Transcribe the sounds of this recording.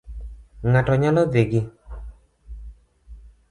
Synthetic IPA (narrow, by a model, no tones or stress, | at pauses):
ŋatɔɲalɔðeɡi